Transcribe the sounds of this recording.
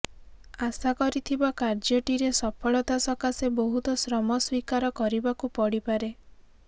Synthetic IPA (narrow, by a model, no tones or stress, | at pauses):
asakɔɾit̪ʰibakaɾd͡ʒɔʈiɾesɔpʰɔɭɔt̪asɔkasebɔɦut̪ɔsɾɔmɔswikaɾɔkɔɾibakupɔɽipaɾe